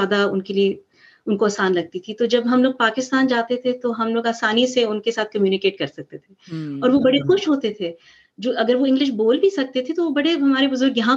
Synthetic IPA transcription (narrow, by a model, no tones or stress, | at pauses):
aːd̪aʊnkelie | ʊnkoaːsaːnlɐɡ̚t̪it̪ʰit̪od͡ʒɐbɦɐmloːɡ̚paːkɪst̪aːnd͡ʒaːt̪et̪ʰet̪oɦɐmloːɡaːsaːniseʊnkesaːt̪̚ʰkɐmjuːnɪkeːʈ̚kɐɾsɐk̚t̪et̪ʰeɔːɾʋobɐɽexʊʃɦoːt̪et̪ʰe | d͡ʒoːʔɐɡəɾʋoɪ̃ŋɡlɪʃ̬boːlbʱisɐk̚t̪et̪ʰet̪oʋobɐɽeɦɐmaːɾebʊzʊɾɡjɐɦã